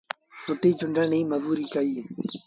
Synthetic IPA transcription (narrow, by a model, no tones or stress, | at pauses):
sʊʈiːt͡ʃʊɳɖʱəɳĩːməʋuːɾiːkəiː